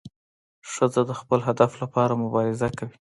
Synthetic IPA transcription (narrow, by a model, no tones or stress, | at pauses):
ʂəzad̪əxpəlɦad̪aflapɑɾamʊbɑɾɪzakawi